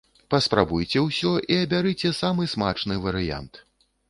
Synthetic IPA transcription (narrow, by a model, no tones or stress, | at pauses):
pɐspɾabujt͡sʲɛwsʲɔʔiɐbʲaɾɨt͡sʲɛsamɨsma̰t͡ʂnɨvɐɾɨja̰nt̪